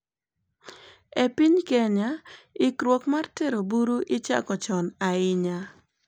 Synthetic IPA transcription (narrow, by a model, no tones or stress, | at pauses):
epiɲkɛɲaɪkɾwokmarteɾobuɾuʔɪt͡ʃa̰kɔt͡ʃɔnaɪɲa